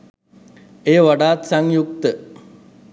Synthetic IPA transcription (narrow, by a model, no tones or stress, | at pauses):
eːʋaɖaːt̪saŋjuk̚t̪ə